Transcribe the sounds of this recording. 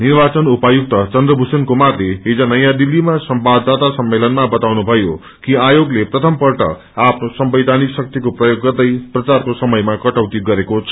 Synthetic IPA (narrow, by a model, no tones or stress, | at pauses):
nirbat͡sʌnupajuk̚t̪ʌt͡sʌnd̪rʌbʱusenkomat̪reɦed͡zʌnʌjãd̪ilːimasʌmbad̪ːat̪asʌmːelʌnmabʌt̪awnubʱʌjo | kiajoɡleprʌt̪ʰʌmpʌrʈʌ̰ | apʰnosʌmbʌjd̪ʱaniksʌk̚t̪ikoprʌjoɡːʌrd̪ʌjprʌt͡sarkosʌmʌjmakʌʈʌwt̪iɡʌɾekot͡sʰʌ̥